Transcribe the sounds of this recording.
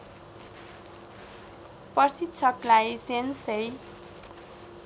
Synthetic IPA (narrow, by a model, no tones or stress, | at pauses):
pʌrsit̪ːt͡sʰʌklajsensej